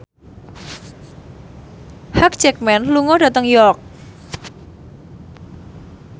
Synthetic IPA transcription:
hak̚t͡ʃɛk̚mɛnluŋɔdat̪əŋjɔk̚

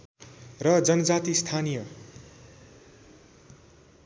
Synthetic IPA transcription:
rʌd͡zʌnʌd͡zat̪ist̪ʰanijʌ

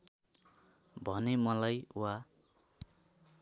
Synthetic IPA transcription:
bʱʌnemʌlajuwa

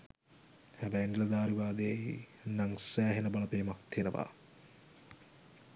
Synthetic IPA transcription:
hæbɛjnd̪ilɐd̪aːɾuɡaːd̪ejeinaŋsæːɦenəbalɐpeːmak̚t̪ʰijenəʋa̰ː

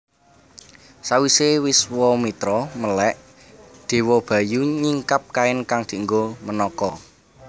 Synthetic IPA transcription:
sawisewɪswɔmit̪ɾɔməlɛʔ | d̪̥e̤wɔb̥ä̤juɲiŋkap̚kaɪnkaŋd̪̥i̤ŋɡomənɔkɔ

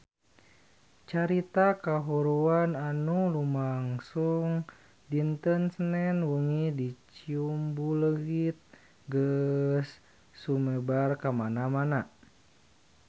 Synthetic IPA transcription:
t͡ʃaɾit̪akaɦuɾuananulumaŋsuŋ | dint̪ənsənɛnwuŋidit͡ʃiumbuləɡit̪̚ | ɡəsː | umebarkamanamana

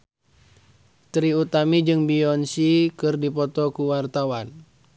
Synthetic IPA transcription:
t̪ɾiut̪amid͡ʒɨŋbiɔnsikɨrdipɔt̪ɔkuwart̪awan

